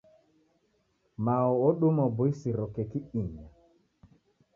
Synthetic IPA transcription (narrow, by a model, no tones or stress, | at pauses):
maɔɔɗumɔbʊisiɾɔkɛkɪiɲa